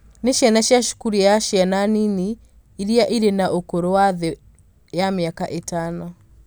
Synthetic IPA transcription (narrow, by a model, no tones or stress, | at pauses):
neʃjanaʃjaʃu̥kuɾijaʃjananini | iɾiaʔiɾenaʔokoɾowaðe | jameakaʔetanɔ